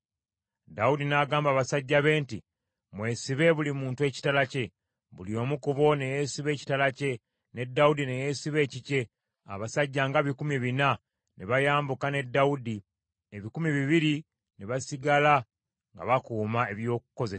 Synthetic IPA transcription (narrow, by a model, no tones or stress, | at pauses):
daudinaːɡaːmbaːβasaɟːaβe̞ːnti | mwe̞ːsiβe̞βulimuːntue̞ːci̥talace̞ | βṵlio̞ːmukuβo̞ne̞je̞siβe̞ːci̥talace̞ | ne̞dːaudine̞je̞siβe̞ːcice̞ | a̰βasaɟːaːŋɡaβikumiβina | nʔeβajaːmbukane̞dːaudi | eβikumiβiβiɾi | neβasiɡala | ŋɡa̰βakuːmae̞βjo̞ːk̚u̥ko̞zes